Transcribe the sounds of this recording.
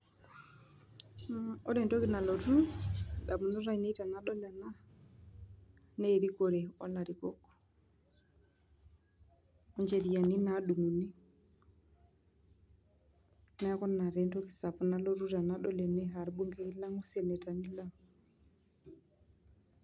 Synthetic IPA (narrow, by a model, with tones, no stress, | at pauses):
ɔ˦ɾɛ˨nto˦ki˨na˨lo˨ɾu˦ɗa˨mu˨nɔ˦ɾa˦i˨ne˦ta˨na˦ɗɔ˦la˨na˦ | ne˦˨ɾi˦ko˨ɾe˨ɔ˦la˨ɾi˨kɔ˦kːɔ̥˨ | ɔ˦ɲd͡ʒe˨ɾi˨ja˨ni˦na˦ɗu˨mu˨ni˦ | na˦a˦kɔ˦na˨ɾɛ˨nto˦ki˨sa˨pu˨na˦lo˦ɾu˦ɾa˨na˦ɗɔ˦lɛ˨nɛ˦ɦa˨ɾbu˦ŋke˦i˦la˦ŋu˦se˨ne˨ta˨ni˦la˦ŋ